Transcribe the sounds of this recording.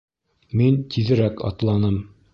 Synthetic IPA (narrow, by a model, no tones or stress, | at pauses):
mint̪ʰiðɘ̆ɾækɑ̰t̪lˠɑnɤm